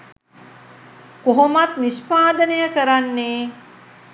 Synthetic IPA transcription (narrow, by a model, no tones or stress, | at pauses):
koɦomat̪nispaːd̪ənejəkəɾanːeː